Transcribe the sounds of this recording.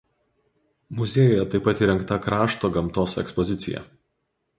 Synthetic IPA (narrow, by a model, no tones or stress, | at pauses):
mʊzʲeːjoːjɛt̪ɐɪpːɐt̪iːɾʲɛŋkt̪ɐkɾɑːʃt̪oːɡɐmt̪oːsɛ̰kspɔzʲɪt̪sʲɪ̰jɛ̰